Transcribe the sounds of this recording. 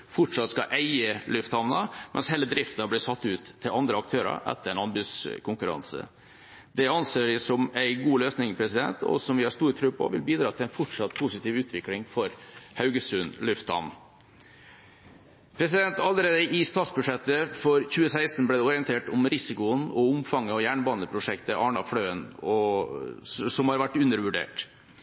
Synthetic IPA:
fɔʈʂɑt̪ːskɑʔæɪəlʉft̪hɑʋnɑmʔɛ̰nsheːlːəd̪ɾɪft̪ɑblæsɑt̪ːʉːt̪ʰːɪlʔɑnd̪ɾəɑk̚t̪ʰøːɾɑ̰ɾʔɛ̰t̪ːəɾæɪnɑnbʉskʰʊŋkʉɾɑ̰nsə̰ | d̪ɛɑnseːɪsɔmæɪɡuːløːsnɪŋpʰɾɛsɪd̪ɛ̰nt̪ɔ̰sɔmʋɪhɑʂst̪uːɾt̪ʰɾʉːpʰɔ̰ʋɪ̰lbiːd̪ɾɑːt̪ɪlæɪnfɔʈʂɑt̪ːpʰʊsɪt̪iːʋʉːt̪ʰʋɪklɪŋfɔɾhɑʉɡəsʉnlʉft̪hɑ̰n | pʰɾɛs̬ɪd̪ɛnt̪ɑlːəɾeːd̪əʔɪst̪ɑːt̪sbʉʂɛt̪ːəfɔɾçʉːəsæɪst̪n̩blæːd̪ɛɔɾɪənt̪ʰeːʈɔmɾɪsɪkʊənɔʊmfɑŋːəɔjæːɳbɑnəpʰɾʊʂɛkt̪əʔɑːɳɑ̰flœʏənɔ | sɔmhɑɾʋæʈːʉnːəɾʋʉɖḛːʈ

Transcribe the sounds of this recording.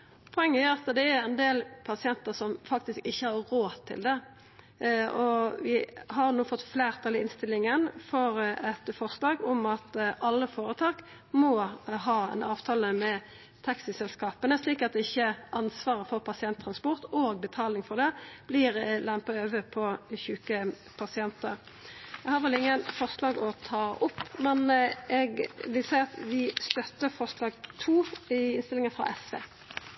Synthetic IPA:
pʰɔɛŋːəæɑt̪d̪ɛæɾɛnd̪eːlpʰɑsɪɛnt̪əsɔmfɑk̚t̪ɪskɪçːəhɑɾɾoːt̪ʰːɪ̰ld̪ɛ | ʔɔʋɪɦɑɾnuːfɔt̪ːfleːʁt̪ʰɑlɪɪnst̪ɪlːɪŋənfɔɾɛt̪fɔʁslɑːɡɔmɑt̪ɑlːəfoːɾət̪ʰɑːk | mɔɦɑːɛ̰nɑːʋt̪ʰɑːləmɛ | t̪ʰɑksɪsɛlskɑːpənəsliːkɑt̪̚d̪ɛɪçːəʔɑnsʋɑːʁəfɔɾpʰɑsɪɛnt̪ʰːɾɑnspɔʁt̪oːɡ̚bət̪ʰɑːlɪŋfɔʁd̪ɛb̥lɪʁlæmpɑøːʋəpʰɔçʉːkə | pʰɑsɪɛnt̪əɾ | ɛɡhɑːɾfɛlɪŋːənfɔʁʂlɑːɡɔt̪ʰɑːʔʊpːmɛnʔɛɡʋɪlsæɪɑt̪ʋɪst̪œt̪ːəfɔʁʂlɑːɡt̪ʰuːɪɪnst̪ɪlɪŋənfʁɑ̰ʔɛsʋḛː

